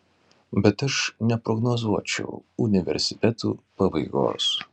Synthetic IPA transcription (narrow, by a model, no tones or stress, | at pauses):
bʲɛt̪ɐʃnʲɛpɾɔɡnɔzuɔt͡ʃʲɛ̰ʊʊnʲɪʋʲɛ̰ɾʲsʲɪ̥t̪ʲɛt̪ṵːpɐbɐɪɡo̰ːs